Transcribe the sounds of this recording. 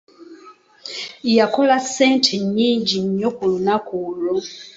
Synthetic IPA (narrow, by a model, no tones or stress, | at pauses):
jakolaseːntʰeɲːiːɲɟiɲokulunakuːlo